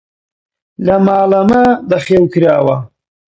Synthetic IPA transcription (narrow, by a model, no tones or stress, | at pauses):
lɐmaːlɐmad̪ɐχewkiɾaːwa